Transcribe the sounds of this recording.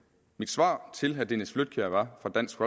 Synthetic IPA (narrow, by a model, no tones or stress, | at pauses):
mid̥sʋɑ̰̈ːt͡sʰe̝lɦæd̥enəsflød̥̚kʰøɐʋɑ̈fɒ̈d̥æn̰sɡ̥ʁɒ